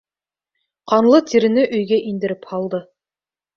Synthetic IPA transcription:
qɑnlˠɤt̪ʰiɾɘ̆nɘʔɵ̆jɡæʔind̪ɘ̆ɾɘphɑlˠd̪ɤ

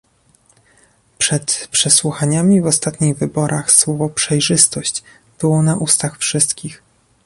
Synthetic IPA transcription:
pʂɛt̪pʂɛswuxaɲamʲivɔst̪at̪ɲiɣvɘbɔɾʔaxswɔvɔpʂɛjʐɘst̪ɔɕt͡ɕ | b̥ɘwɔnaʔust̪axfʂɘst̪kʲix

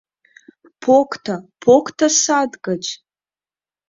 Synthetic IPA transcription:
pʰokʷʰʼtʰapʰokʷtʰasadɡɐt͡ʃʼ

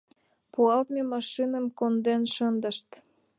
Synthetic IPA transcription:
puɑlt̪memɑʃinə̆mkond̪enʃɤnd̪ə̆ʃt̪

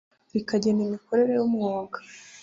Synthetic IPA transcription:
ɾikaɟe̞nimiko̞ɾe̞ɾe̞jumŋoːɡḁ

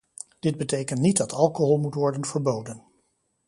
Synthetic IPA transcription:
d̥ɪd̚bətejkəntnit̚dɑtʰɑlˠkoɦɔlˠmutʋɔɹdənv̥əɹbowdən

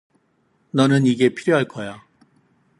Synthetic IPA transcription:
nʌnɯniɡe̞pʰiɾjoɦaɭk͈ʌja

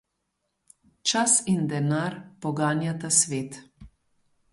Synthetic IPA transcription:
t͡ʃasind̪ɛnaɾpɔɡaːnjat̪asʋeːt̪

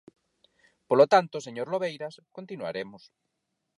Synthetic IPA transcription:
polot̪ant̪oseɲoɾloβejɾaskont̪inua̰ɾemʊs

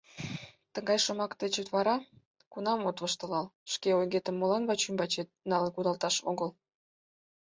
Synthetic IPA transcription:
t̪əŋɡɑjʃə̆mɑkt̪et͡ɕut̪βɑɾɑ | kunɑmot̪βəʃt̪ə̆lɑlʃkeojɣet̪əmːolɑnβɑt͡ɕymbɑt͡ɕet̪̚nɑlkud̪ɑlˠt̪ɑʃo̰ɣəl

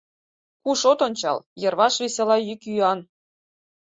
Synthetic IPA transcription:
kuʃot̪onʲt͡ɕɑ̰lˠjɤ̆rβɑʃβesʲelɑjykyɑn

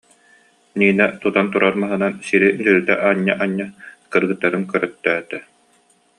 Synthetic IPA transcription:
niːnɛt̪ut̪ant̪uɾaɾmaɦɯnansiɾid̪ɯɾt̪ɛ̰ʔaɲːa̰ʔaɲːakɯɾɡɯt̪ːaɾɯnkœɾœt̪ːœːt̪ɛ

